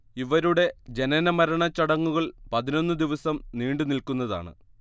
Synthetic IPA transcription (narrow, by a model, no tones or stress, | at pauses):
iʋɐɾuɽe̞d͡ʑe̞nɐnɐmɐɾɐɳɐt͡ɕːɐɽɐŋːuɣɐɭpɐðino̞nːɨd̪iʋɐsɐmniːɳɖɨnilkunːɐða̰ːɳɨ̰